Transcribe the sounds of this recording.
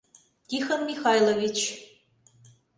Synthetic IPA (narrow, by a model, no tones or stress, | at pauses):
t̪ixənmʲixɑjlˠovʲit͡ɕ